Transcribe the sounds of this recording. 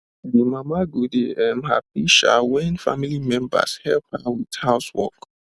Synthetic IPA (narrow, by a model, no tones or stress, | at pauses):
dimamaɡudeɛmɦa̰p̚iʃa̰wɛ̃nfa̰milimɛ̃mba̰shɛlp̚hawið̥haʊswɔ̰k